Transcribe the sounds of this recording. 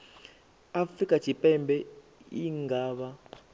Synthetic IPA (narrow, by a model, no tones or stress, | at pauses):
afrikʼat͡ʃʰipʼɛmbʱɛ | iŋɡaːɓa